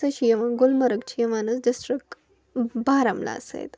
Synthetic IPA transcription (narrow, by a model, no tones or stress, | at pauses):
əɕijɐʋaɡulmɐɾəɡt͡ɕijɐʋanət͡sɖisʈɾik̚ʈ | baɾamla̰sḛj̰t̪